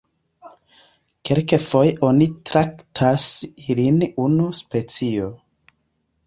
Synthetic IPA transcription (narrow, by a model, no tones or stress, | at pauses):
kelkefo̞jʔo̞nitɾaktʰasilinunuspe̞t͡sio̞